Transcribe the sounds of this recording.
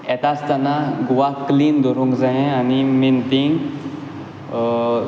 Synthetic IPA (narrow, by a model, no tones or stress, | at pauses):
et̪ast̪anaɡuʋakːliːnd̪ʱoɾũŋkd͡zaɦẽanimint̪iŋɡ